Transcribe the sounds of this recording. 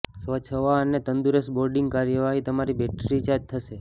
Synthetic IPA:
sʋət͡ʃʰəʋaənet̪ənd̪uɾesboɾɖĩŋɡkaɾjəʋaɦit̪əmaɾibɛʈɾit͡ʃat̪ʰːəʃe

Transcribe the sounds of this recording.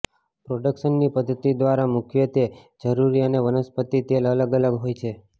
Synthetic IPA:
pɾoɖəkʃənːipəd̪ʱːət̪id̪ʋaɾamukʰjət̪e | d͡ʒəɾuɾiəneʋənəspət̪it̪elələɡələɡɦojt͡ʃʰe

